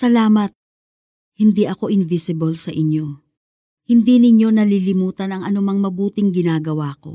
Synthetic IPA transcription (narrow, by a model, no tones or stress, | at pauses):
sɐlaːmɐt̪̚ | hɪnd̪iʔɐko̞ʔɪnvɪsɪbɐlsɐʔɪɲjo̞ | hɪnd̪inɪɲo̞nɐlilɪmuːt̪ɐnɐŋʔɐnʊmɐŋmɐbuːt̪ɪŋɡɪnaːɡɐwaːko̞̰